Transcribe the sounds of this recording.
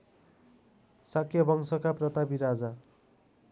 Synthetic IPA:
sakʰjʌbʌŋsʌkaprʌt̪abiɾad͡za

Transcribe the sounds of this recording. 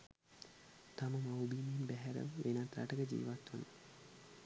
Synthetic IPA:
t̪aməmawbiːmienbæɦæɾə̰ʋʋʔenat̪ɾa̰ʈəkəd͡ʒḭːʋat̪ʋə̰nə

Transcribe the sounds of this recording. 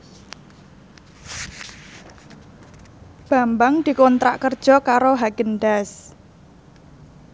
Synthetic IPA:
b̥a̤mbaŋd̪̥i̤kɔnt̪ɾa̰ʔkərd̥ʒ̥ɔ̤kaɾoɦaɡ̥ənɖas

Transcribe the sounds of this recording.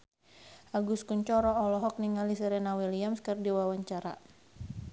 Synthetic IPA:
ʔaɡuskuɲt͡ʃɔɾɔːlɔɦɔk̚niŋalisɛɾɛnawiliamskərdiwawaɲt͡ʃaɾa̰

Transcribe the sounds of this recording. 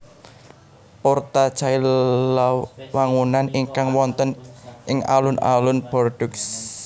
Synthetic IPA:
port̪at͡ʃaillawaŋunaniŋkaŋwɔnt̪ənʔɪŋa̰lʊna̰lʊnb̥ɔrɖ̥ʊks

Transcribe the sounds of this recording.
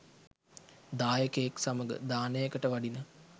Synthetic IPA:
d̪aːjəkəjeksaməɡə̰d̪aːnəjəkəʈəʋaɖinə

